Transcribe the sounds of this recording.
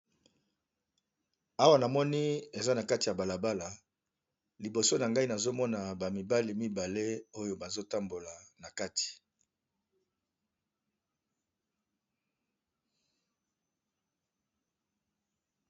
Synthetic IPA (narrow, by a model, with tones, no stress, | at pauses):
a˦wa˦na˨mɔ˦ni˦e˨za˦na˨ka˦ti˨ja˨ba˨la˨ba˦la˨ | li˨bo˨so˦na˨ŋɡa˦i˦na˨zo˦mɔ˦na˨ba˨mi˨ba˦li˨mi˦ba˨le˦o˦jo˨ba˨zo˦ta˦mbo˨la˨na˨ka˦ti̥˨